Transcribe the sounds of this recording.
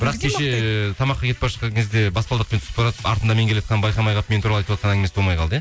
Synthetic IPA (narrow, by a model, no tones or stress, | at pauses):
bɪɾɑqkʲʰeʃet̪ʰɑmɑqːɑkʲʰe̞t̪̚pɑɾʃə̥qːɑŋkʲʰe̞zd̪ebɑspɑlˠd̪əq̚pent̪ʰʏsɪp̪ɑɾɑt̪əpɑ̰ɾt̪ənd̪ɑme̞ŋkʲelejet̪qʰɑnbɑjqɑmɑjʁɑp̚met̪ʰuɾɑlˠɑjt̪wɑt̪̚qɑnæŋɡɪmesbo̞lˠmɑjqʰɑlˠd̪əje